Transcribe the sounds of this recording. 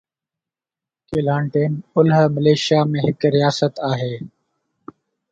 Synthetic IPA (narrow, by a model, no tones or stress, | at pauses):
keːlãːɳʈeːnʊlɦməleːʃjaːmẽːɦɪkɾɪjaːsət̪aːɦeː